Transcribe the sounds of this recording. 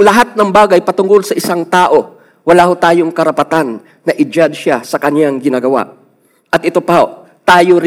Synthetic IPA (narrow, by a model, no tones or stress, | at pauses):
lɐɦat̪̚nɐŋbaːɡɐjpɐt̪ʊŋɡo̞lsɐʔɪsaŋt̪aːʔo̞ | wɐlaːhot̪aːjo̞ŋkɐɾɐpɐt̪anː | ɐʔɪd͡ʒad̪ʃasɐkɐnjaŋɡɪnaːɡɐwa̰ʔ | ʔɐt̪̚ʔɪt̪o̞pɐho | t̪aːjoɾ